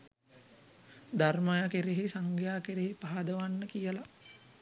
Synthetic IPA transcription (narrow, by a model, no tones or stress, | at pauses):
d̪armajakeɾeɦesaŋɡjaːkeɾeɦepaɦad̪əʋanːəkijəla